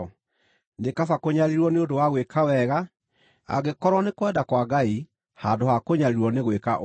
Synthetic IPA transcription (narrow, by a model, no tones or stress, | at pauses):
nekafakoɲaɾiɾwɔneodowaɣwekʰawɛɣa | a̰ɣekɔɾwɔnekwɛdakwaɡai | haːdohakoɲaɾiɾwɔneɣwekaʔ